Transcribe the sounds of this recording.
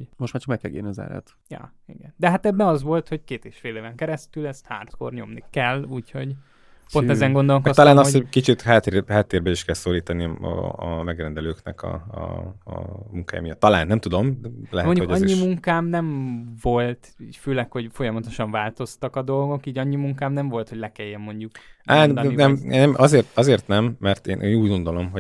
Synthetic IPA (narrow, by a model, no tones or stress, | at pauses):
ɟmoʃtmaːɾt͡ʃɒ̥kmɛkːɛɡḛːniɒzɛ̰lɛ̰t̪ | jɒ̰ːḭɡɛnd̪ɛɦat̪ɛbːɛɒzʋo̞lt̪ho̞ckeːt̪eːʃfeːleːvɛŋkɛɾɛst̪ylɛst̪ha̰ːrt̪ko̞̰rɲo̞̰mnikɛlːuːcho̞ɟ | po̞nɛzɛŋɡo̞nd̪o̞lokɒst̪ɒlaːnɒsookit͡ʃit̪haːt̪ːhaːt̪ːeːrbɛiʃkɛlsoːliːt̪ɒnḭmɛɡrɛnd̪ɛløːknɛ̰kɒ̰ | muŋka̰ːj̰mijɒt̪ːɒlaːnːɛmt̪ud̪omlɛhɛmoɲuokɒɲːimuŋkaːmnɛɱvo̞lt̪iføːlɛkho̞ɟfo̞jɒmɒt̪o̞ʃɒɱvaːlt̪o̞st̪ɒkɒd̪o̞lɡo̞kiːɟɒɲːimuŋkaːmnɛɱvo̞lt̪ho̞ɟlɛkɛjːɛmːo̞ɲɟukʔaːnɛmmːnːɛmʔɒzeːrt̪ɒzeːrt̪nɛmːɛrt̪eːnʔeːnuːɟɡo̞nd̪o̞lo̞mɦo